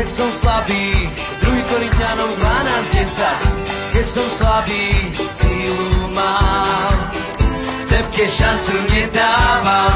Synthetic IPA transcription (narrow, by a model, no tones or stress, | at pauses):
ɛcsɔwslabiː | d̪ɾuɦikɔɾint̪ɪanɔwd̪vanaːzɟɛsackɛcsɔwslabiː | siluma | lɛpkɛʃant͡simɲɛd̪aːva